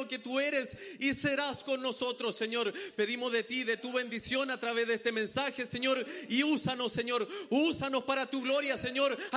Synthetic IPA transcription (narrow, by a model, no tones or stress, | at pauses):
oke̞t̪ue̞ɾe̞sise̞ɾasko̞nːo̞so̞t̪ɾo̞sːe̞ɲo̞ɾpe̞ðimo̞zðe̞t̪iðe̞t̪uβe̞nd̪isjo̞nat̪ɾaβe̞zðest̪e̞mẽ̞nsaxe̞se̞ɲo̞ɾiusano̞sːe̞ɲo̞ɾusano̞spaɾat̪uɣlo̞ɾjase̞ɲo̞ɾ